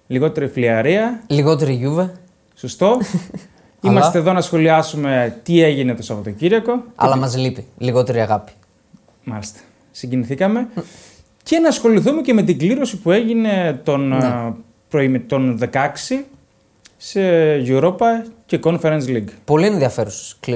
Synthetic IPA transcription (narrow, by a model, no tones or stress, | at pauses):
liɣo̞t̪e̞ɾifliɐɾiɐliɣo̞t̪e̞ɾiʝuve | sost̪o̞ | imɐst̪eðo̞nɐsxo̞liɐsume̞t̪ie̞ʝinet̪osɐpot̪ociɾɐko̞ɐ̰lɐmɐzlipiliɣo̞t̪eɾiɐɣɐpi̥ | mɐ̰list̪ɐ̥ | siɲɟiniθikɐme̞ | ce̞nɐsxo̞liθume̞ce̞me̞t̪̬iɡliɾo̞sipue̞ʝine̞t̪o̞n | pɾoimt̪o̞nðe̞kɐksi | seʝuɾo̞pɐce̞ko̞nfeɾensliɡpo̞liẽnðiɐfe̞ɾuse̥k